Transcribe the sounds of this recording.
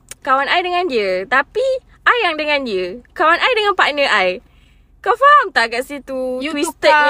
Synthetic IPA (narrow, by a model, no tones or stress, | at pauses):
kawanʔajdəŋãndiət̪api | ʔajːaŋdəŋãndiəkawanʔajdəŋãnpaʔnə̃ʔaj | kafaɦamt̪aʔɡaʔsit̪ut̪wist̪ə